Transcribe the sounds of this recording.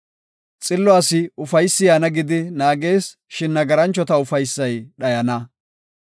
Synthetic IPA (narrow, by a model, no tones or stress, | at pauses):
t͡sʼɪlːɔaːsɪʊfɐjsːɪjaːnɐɡɪd̪ɪnaːɡe̞ːs | ʃɪnːɐɡɐɾɐnt͡ʃːɔt̪ɐʊfɐjsːɐjɗɐjɐnɐ